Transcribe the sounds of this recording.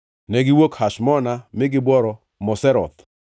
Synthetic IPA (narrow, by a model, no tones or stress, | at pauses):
nɛɡɪwokhaʃmɔnamɪɡɪbwɔɾɔ | mɔsɛɾɔ̰t̪